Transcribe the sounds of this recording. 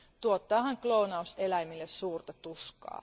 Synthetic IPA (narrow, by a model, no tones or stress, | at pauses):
t̪uot̪ːɑːhɑŋklounɑuselæimilːessuːrt̪ɑt̪uskɑ̰ː